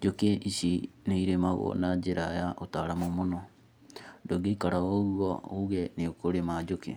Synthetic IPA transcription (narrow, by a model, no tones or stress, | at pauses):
d͡ʒokeʔiʃineiɾemaɣɔ̰nad͡ʒeɾajaʔotaːɾamomonɔ | doɡeikaɾaoɣwɔoɣɛneokoɾemad͡ʒoke